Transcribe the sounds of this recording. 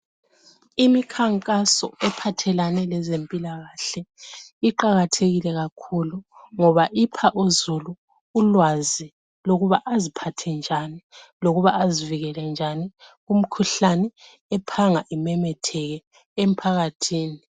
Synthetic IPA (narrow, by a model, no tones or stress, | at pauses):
imikʰaŋkʼasɔ̰ɛpʰatʰɛlanɛlɛzempʼilaɣaɬɛiǃaɣatʰeɣilɛɣakʰuluŋɔβaʔipʰaʔuzuluː | lwazi | loɣuβaʔazipʰatʰɛnd͡ʒʱaniloɣuβaʔaziviɣɛlɛnd͡ʒʱaniɣum̩kʰuɬanɛ | ɛpʰaŋaʔimɛmɛtʰɛɣɛ | em̩pʰaɣatʰiːni